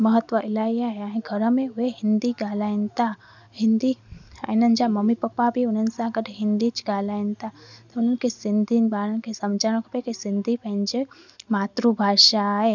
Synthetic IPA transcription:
məɦət̪ʋəʔɪlaːijaɦɛaːɦĩɡʱəɾəmẽʊɦeɦɪ̃nd̪iɡaːlaːɪ̃nt̪a | hɪ̃nd̪iənənd͡ʒamɐmipəpːabʱiʊn̤ən̆sãɐɡəɾɦɪ̃nd̪it͡ʃɡaːlaːɪnt̪at̪ɐʊn̤ənkesɪ̃nd̪ʱinbaːɾənkesɐmd͡ʒʱaːɽ̃kʰopekisɪ̃nd̪ʱipə̃ɦɪ̃ɲd͡ʒemaːt̪ɾubʱaːʃaɦe

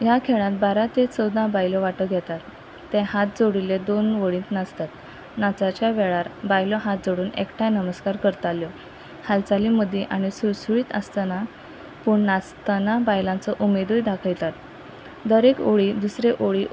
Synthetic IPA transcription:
jakʰeɭãt̪baɾat̪et͡səwd̪ãbajlɔʋaʈəɡʱɛt̪at̪ː | ɛ̃hat̪̚d͡zoɽiled̪onʋəɭiːt̪nəst̪at̪ | nat͡sat͡ɕjaʋeɭaɾbajlɔɦat̪̚d͡zoɽuːnḛkʈʰajnəməskaɾkəɾt̪aljɔ | halt͡saliməd̪ʱiʔaɽ̃isusuɭiːt̪ə̰st̪ana | puɳnast̪anabajlãnt͡sɔʔumed̪ujd̪akʰəjt̪at̪ | d̪əɾekoɭiːd̪usɾeʔoɭi

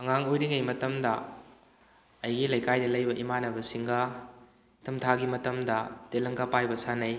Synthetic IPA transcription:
ɐŋaŋojɾiŋɐjmɐtɐmdɐ | jɡilɐjkajdɐlɐjbɐʔimanɐbɐsiŋɡɐ | tʰɐmtʰaɡimɐtɐmdɐtelɐŋkapajbɐsanɐj

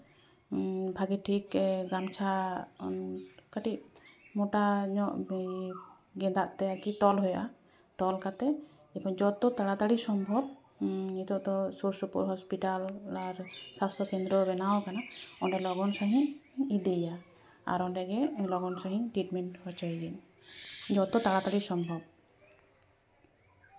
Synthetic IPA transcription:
bʱaɡiʈʰikɡamt͡ʃʰa | kaʈiʔmɔʈaɲɔʔ | ɡɛ̃d̪aʔt̪ɛakit̪ɔlɦujaʔa | t̪ɔlkat̪ɛ | ipɔd͡ʒɔt̪ɔt̪aɽad̪aɽisɔmbʱɔb̚ | it̪ɔʔd̪ɔsuɾsɔpṵɾɦɔspiʈalaɾsast̪ɔkɛnd̪ɾɔbɛnawkanaɔnɖɛlɔɡɔnsaɦĩid̪ija | a̰ɾɔɖɛɡɛlɔɡɔnsaɦĩʈiʈmɛnʈhɔt͡ʃajɡɛn | d͡ʒɔt̪ɔt̪aɽat̪aɽisɔmbʱɔb

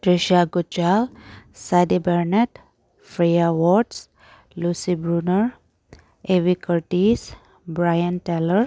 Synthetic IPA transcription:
ʈɾeʃiaɡut͡ʃalsad̪ibɛɾneʈ | fɾejawɔɾɖs | lusibɾunəɾ | eʋikəɾʈis | bɾajənʈɛləɾ

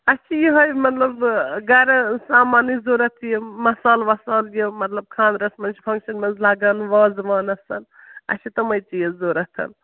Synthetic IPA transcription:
ɐt͡ʃʰijiɦɐjmɐt̪lɐbɡɐɾɐsaːmaːnizuːɾɐt̪ʰjemɐsaːlʋɐsaːljemɐt̪lɐb̚kʰaːnd̪ɾɐsmɐnt͡ʃʰi̥pʰɐŋkʃɐnmɐnzlaːɡɐːnʋaːzʋaːnɐsɐn | ɐ̰t͡ʃʰit̪ɐmɐjt͡ʃijezoːɾɐt̪ʰɐ̰n

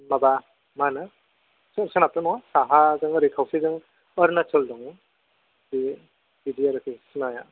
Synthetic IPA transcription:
maba | manɯ | sɯɾsɯnap̚tɯnɔwasaɦazɯŋɾikʰawsizɯŋ | ɔɾnat͡ʃɯldɔŋ | di | bidiaɾɯkʰisɯnaja

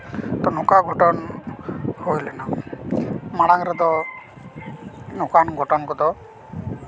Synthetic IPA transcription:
t̪ɔnukaɡʱɔʈɔnɔ | hojlɛna | maɽ̃aŋɾɔd̪ɔ | nokanɡʱɔʈɔnɔkɔd̪ɔ

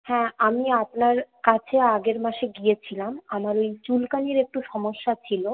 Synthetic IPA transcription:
hɛ̃ʔamiapnaɾkat͡ɕʰeaɡeɾmaʃeɡijet͡ɕʰilamamaɾojt͡ɕulkaniɾek̚ʈuʃɔmoʃːat͡ɕʰilo

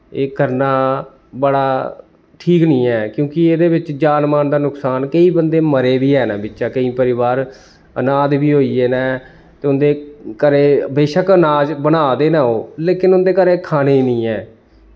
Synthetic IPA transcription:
eːkəɾnaː | bəɽaː | ʈʰiːknĩːɛːkjõːkɪeːd̪eːbɪt͡ʃd͡ʒaːnmaːnd̪aːnʊksaːnkəiːbənd̪eːməɾeːʋiːɦɛːnaːbɪtːʃaːkəĩːpəɾɪʋaːɾ | ənaːd̪biːɦoːiːeːnɛː | t̪eːʊnd̪eːkəɾeːbeːʃəkənaːd͡ʒbənaːd̪eːnaːoːleːkɪnʊnd̪eːkəɾeːkʰaːneːiːnĩːɛː

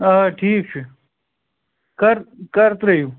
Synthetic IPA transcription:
aʈʰiːk̚t͡ʃʰi | kɐɾkɐɾt̪ɾɐɦjuː

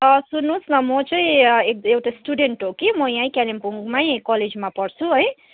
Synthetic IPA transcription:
sunːũsnʌmʌt͡saĩekewʈasʈuɖeɳʈɦokimʌjãĩkalimpuŋɡmaj̃kʌled͡zmapʌɽt͡sʰuɦʌj

